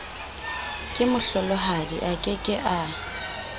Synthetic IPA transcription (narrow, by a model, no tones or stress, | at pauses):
kʼɪmʊɬɔlɔɦadiʔakʼɪkʼɪʔa